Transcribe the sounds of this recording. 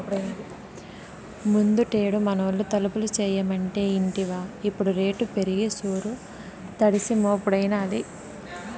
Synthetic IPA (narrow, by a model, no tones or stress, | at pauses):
pɽɐnd̪i | mund̪uʈeːɽumɐnɐlːut̪ɐlupulut͡ʃɛːjɐmɐɳʈe̞ːiɳʈiʋaːipːuɽuɾe̞ːʈupe̞ɾiɡisuːɾu | t̪ɐɽisimoːpuɽɐjnɐːli